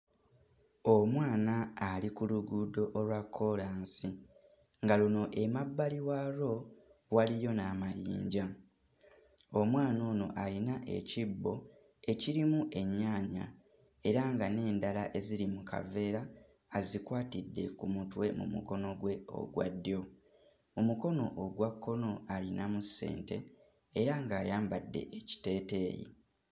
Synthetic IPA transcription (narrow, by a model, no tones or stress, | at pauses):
o̞mwaːnaːlikuluɡudo̞ʔːlwakʰːo̞laːnsi | ŋɡaluno̞ʔe̞mabːaliwaɾo̞walijo̞namajḭːɲɟa | o̞mwaːno̞ːno̞̰ʔalinaʔe̞̰cibːo̞ | e̞ciɾimuʔe̞ɲːaːɲa̰ | e̞ɾaŋɡane̞ːndalaʔe̞zilimukʰa̰ve̞ːɾaː | zikwaːtidːe̞kumutwe̞mṵmṵko̞no̞ɡwe̞o̞̰ɡwa̰dːjo̞ | omuko̞no̞ʔoɡwakʰːo̞no̞alinamusːe̞̰ːnte̞ː | ɾaŋɡaːjaːmbadːe̞̰ʔeci̥te̞ːte̞ːjḭ